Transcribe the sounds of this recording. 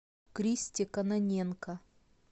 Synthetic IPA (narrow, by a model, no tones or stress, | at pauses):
kɾʲisʲtʲɪkɐnɐnʲenkɐ